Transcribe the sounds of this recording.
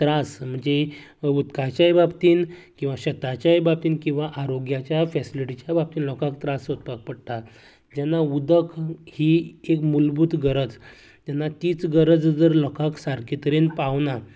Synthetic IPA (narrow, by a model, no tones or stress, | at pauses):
t̪ɾasm̤əɳd͡ze | ut̪kat͡ɕjajbabt̪iːnkĩw̃ʋaɕət̪at͡ɕjajbab̚t̪iːnkĩw̃ʋaʔaɾoɡjat͡ɕjafɛsiliʈit͡ɕjabab̚t̪iːnlɔkʰakt̪ɾasot̪̚pak̚pəɽt̪a | d͡ʑɛnːaud̪əkʰhiːekmulbud̪ɡəɾəd͡z | t̪jɛnːat̪iːt͡sɡəɾəd͡zd͡zəɾlɔkʰaksaɾkit̪əɾenpaʋna